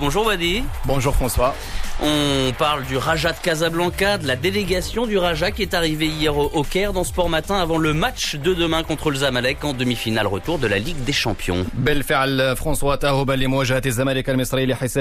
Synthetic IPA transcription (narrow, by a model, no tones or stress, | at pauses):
bɔ̃ʒuʁwad̪ibɔ̃ʒuʁfχɑ̃swa | ɔ̃paʁld̪yʁaʒad̪əkazablɑ̃kad̪əlad̪eleɡasjɔ̃d̪yʁaʒakʲiɛt̪aʁiveijɛʁoʔokɛʁd̪ɑ̃sə̥pɔʁmat̪ɛ̃avɑ̃ləmatʃd̪əd̪əmɛ̃kɔ̃t̪χələzamalɛkɑ̃d̪əmifinalʁət̪uʁd̪əlaliɡd̪eʃɑ̃pjɔ̰̃bəlfəʕlfχɑ̃swat̪aɦubælemʊwæʒəhæt̪zːamælikælməsˤɾileħisɛ